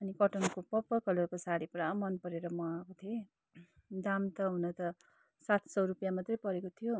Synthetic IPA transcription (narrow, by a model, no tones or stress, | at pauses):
ʌnikʌʈʌŋkopʌpːʌkʌlokosaɽipɾamʌnpʌɾeɾʌmʌakot̪ʰie | d̪amt̪ʌɦunʌt̪ʌ | sat̪ʰsʌwɾupjamat̪rʌjpʌɾekot̪ʰijo